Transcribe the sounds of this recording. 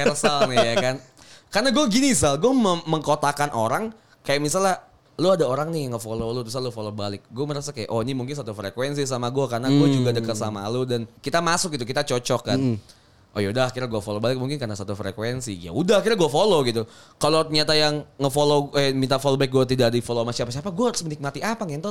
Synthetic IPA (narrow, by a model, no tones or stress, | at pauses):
ɛrsalnɪjakan | karnaɡuaɡinisalɡuaməməŋkot̪akanʔoɾaŋ | kajaʔmisala | luadaoɾaŋnɪjaŋəfololot̪us̬alofolobalɪk̚ɡuaməɾasakaja̰ʔonimuŋkɪns̬at̪ufɾekwɛnsis̬amaɡuakarnaɡuad͡ʒuɡadəkat̪̚sama̰lodankit̪amasʊk̚ɡit̪ukit̪at͡ʃot͡ʃɔkan | ʔo̰jaudahakiɾaɡuafolobalɪk̚muŋkɪnkarnasat̪ufɾḛkwɛnsḭja̰udahakiɾaɡuafoloɡit̪ukalot̪ɲat̪ajaŋːəfoloɛmint̪afolobaɪk̚ɡuat̪̬idakadadifolomasiapasiapaɡuaɦaɾʊsmənik̚mat̪iapaŋaŋt̪ɔ